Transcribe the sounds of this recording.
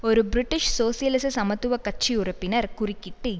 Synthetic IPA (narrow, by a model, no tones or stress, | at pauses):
oɾubɾɪʈːɪʂsoːsijɐlɪsɐsɐmɐt̪ːuʋɐkɐt͡ʃːiurɐpːinɐɾkʊrɪkːɪʈːɯ